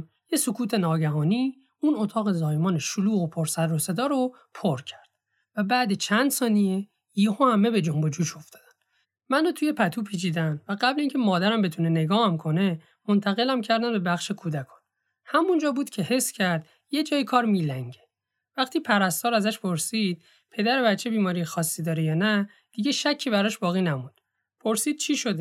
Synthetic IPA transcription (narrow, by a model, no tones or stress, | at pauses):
jesokʰuːt̪ʰe̞nɒːɟæɦɒːni | unot̪ʰɒːɣe̞zɒːjmɒːneʃoluːɣopʰoɾsæɾose̞d̪ɒːɾo | pʰoɾcʰæ̥ɾd̪̥̚ | væbæːd̪et͡ʃʰænd̪sɒːnije | ehohæme̞be̞d͡ʒombod͡ʒuːʃo̞ft̪ʰɒ̥ːd̪æn | mænot̪ʰuje̞pʰæt̪ʰuːpʰiːt͡ʃʰiːd̪ænvæɡæbliːŋcʲʰe̞mɒːd̪æɾæmbe̞t̪ʰunene̞ɡɒːhæmkʰo̞ne̞ | mo̞nt̪ʰæɣe̞læmcʰæɾd̪ænbe̞bæxʃekʰuːd̪ækʰɒ̥ːn | hæmund͡ʒɒːbuːd̪̥cʰe̞he̞sːcʰæɾd̪̥ | je̞d͡ʒɒːjikʰɒːɾmiːlæŋɟe | væxt̪ʰiːpʰæɾæst̪ɒːɾæzæʃpʰo̞ɾsid̪̥̚ | pʰe̞d̪æɾe̞bætt͡ʃʰːe̞biːmɒːɾijexɒːsːid̪ɒːɾejɒːnæ | d̪̥iɟeʃæcʰːibæɾɒːʃbɒːɣiːnæmund̪̥ | pʰo̞ɾsiːd̪̥̚t͡ʃʰiːʃo̞d̪e